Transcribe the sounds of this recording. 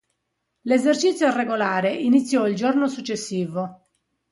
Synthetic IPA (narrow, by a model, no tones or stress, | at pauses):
lezert͡ʃit̪sːjoreɡolaːɾeʔinit̪sːjɔild͡ʒornosut͡ʃːesːiːvo